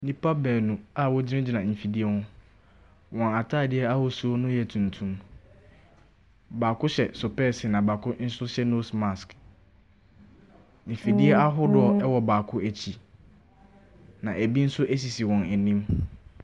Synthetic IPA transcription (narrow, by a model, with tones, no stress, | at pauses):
nĩ˦pʰa˦bɛ˨nũ˨a˦wɔ˦d͡ʑɪ˦ɪ˦d͡ʑi˨nã˨m̩˨fi˨di˦ɛ˦hʊ̃˦ | wɔ̃˨na˨tʰaː˦˨dɪ˦ɛ˦a˦hʊ˨su˨˦o˦nʊ̃˦jɛ˨tʰũ˨ntʰũ˦m | baː˨kʊ˦ɕɛ˨sʊ˨pɛ˦sɪ˨nã˨ba˨kʰʊ˦n̩˦sʊ˦ɕɛ˦no˦sma˨sk | m̩˨fi˨di˦ɛ˦a˦ɦʊ˦dʊ˨˦ɔ˨ɛ˦wɔ˨baː˨kʰʊ˦æ˨t͡ɕʰi˨ | nã˨ʔæ˨bi˦n̩˦sʊ˦ʔæ˦s̬i˨si˨wɔ̃˨næ˨nĩ˦m